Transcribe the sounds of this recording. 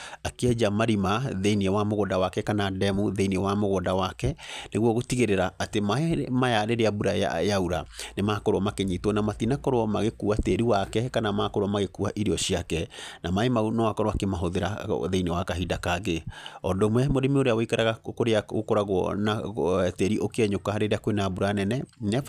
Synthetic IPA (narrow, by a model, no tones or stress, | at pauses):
akeɛd͡ʒamaɾimaðeiniɛwamoɣɔndawakɛkanadɛmuðeiniɛwamoɣɔdawakɛneɣwɔɣotiɣeɾeɾaatemaemajaɾeɾeabuɾa̰jauɾa̰nemakɔɾoɔmakeɲitwɔnamatinakɔɾoɔmaɣekuateɾiwakɛkanamaːkɔɾoɔmaɣekuaʔiɾiɔʃiakɛnamaemaunɔwakɔɾowakemaɦoðeɾaðeinewakaɦidakaɣeɔdɔmwɛmoɾimeoɾeawoikaɾʔaɣakoɾeaokɔɾaɣɔ̰nateɾiʔokeɛɲokaɾeɾeakwenabuɾanɛnɛn